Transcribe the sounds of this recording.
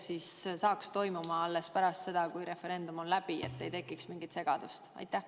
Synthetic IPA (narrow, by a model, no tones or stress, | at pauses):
siːssɑːkst̪o̞jmumɑɑlːe̞spæɾɑst̪se̞d̪̥ɑkujɾe̞fe̞ɾe̞nd̪̥umo̞nlæb̥iḛt̪ːe̞jt̪e̞kːˑiksmiŋɡit̪se̞ɡ̥ɑd̪̥ust̪ɑ̰jt̪ːˑæh